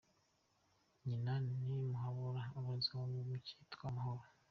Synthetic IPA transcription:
ɲinanimuɦaβuɾauβuziwoβuβuci̥ːtwamahoɾo

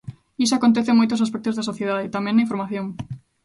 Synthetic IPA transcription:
is̬oakont̪ɛθemojt̪os̬as̬pɛk̚t̪ozðɐsoθjeðaðɪt̪amẽnːɐiɱfoɾmaθjoŋ

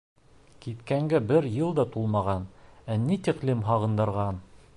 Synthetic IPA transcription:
kit̪kæŋɡæbɘɾjɤlˠd̪ɑt̪ulˠmɑʁɑnænit̪iqlimɦɑʁɤ̆nd̪ɤ̆ɾʁɑn

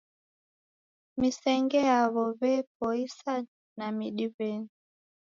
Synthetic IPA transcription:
misɛŋɡɛjaβɔβɛp̚ɔisa | namiɗiβɛni

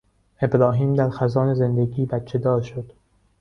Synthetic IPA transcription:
e̞bɾɒːɦiːmd̪æɾxæzɒːneze̞nd̪eɡiːbæt̪t͡ʃʰːe̞d̪ɒːɾʃod̪̥

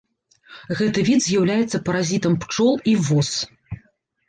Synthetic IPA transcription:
ɣɛt̪ɨvʲid̪zʲjawlʲajɛt̪sːɐpɐɾazʲit̪ɐmpt͡ʂɔlˠivɔs

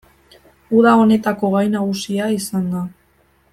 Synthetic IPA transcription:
uðao̞ne̞t̪ako̞ɣajnaɣusiaisand̪a

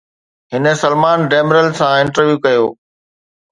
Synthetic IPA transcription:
ɦɪnə̆sɐlmaːnɖeːmɾəlsãɪ̃ɳʈəɾʋjuːkɐjoː

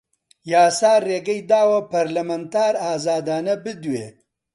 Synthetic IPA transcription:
jaːsaːreːɡɐjd̪aːwɐpɐɾlɐmɐnt̪aːɾaːzaːd̪aːnɐbɨd̪weː

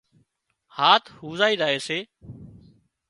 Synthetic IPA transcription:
haːt̪ʰhuːzaːiːɗaːɦeːseː

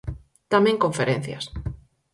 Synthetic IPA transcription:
t̪amẽŋkõɱfeɾen̟θja̰s

